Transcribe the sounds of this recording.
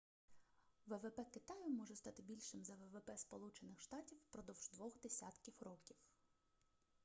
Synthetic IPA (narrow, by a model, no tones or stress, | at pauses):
ʋɛʋɛpɛkɪt̪ɑjʊmɔʒɛst̪ɑt̪ɪbʲilʲʃɪmzɐʋɛʋɛpɛspɔlˠut͡ʃenɪxʃt̪ɑtʲiwpɾɔd̪ɔwʒd̪ʋɔxd̪esʲa̰t̪kʲiwrɔkʲiw